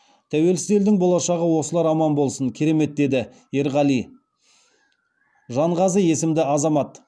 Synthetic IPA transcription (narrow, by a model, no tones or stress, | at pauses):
t̪ʰæwe̞lsɪze̞ld̪ɪŋbolˠɑʃɑʁəwo̞səlˠɑɾɑmɑnbo̞lˠsəŋkʲʰe̞ɾe̞me̞t̪̚d̪e̞d̪ɪ | e̞ɾʁɑlˠij | ʒɑɴʁɑzəje̞sɪmd̪ɪɑzɑmɑt̪